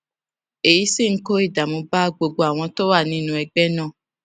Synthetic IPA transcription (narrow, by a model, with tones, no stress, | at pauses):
e˨ji˨˦si˦˨ŋ̩˦ko˦i˦˨da˨mũ˧ba˦ɡ͡bo˧ɡ͡bo˧a˨w̃ɔ̃˧to˦wa˦˨nĩ˦nũ˦ɛ˧ɡ͡bɛ˦nã˦˨